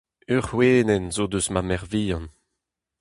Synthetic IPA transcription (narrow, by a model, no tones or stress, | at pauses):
yʁweːnɛnzod̪øsmamɛʁviːjɑ̃n